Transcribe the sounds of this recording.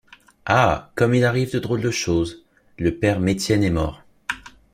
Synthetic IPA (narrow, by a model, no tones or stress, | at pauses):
akɔmilaʁivd̪əd̪ʁold̪əʃoz | ləpɛʁmet̪jɛnɛmɔːʁ